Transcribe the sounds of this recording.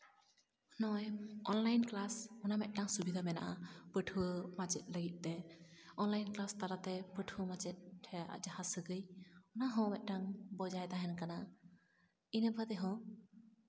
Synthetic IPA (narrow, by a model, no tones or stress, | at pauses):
nɔjɔnlajnklasɔnamɛt̪̚ˀʈaŋsubid̪ʱamɛna̰ʔapəʈʰuwəmat͡ʃɛt̪̚ˀləɡit̪̚ˀt̪ɛɔnlajnklast̪aɾat̪ɛpəʈʰəmat͡ʃɛt̪̚ʰɛʔa̰d͡ʒahasəɡəjɔnaɦɔ̃mɛt̪̚ˀʈaŋbɔd͡ʒajt̪aɦɛnkana | inəbʱad̪ɛɦɔ̃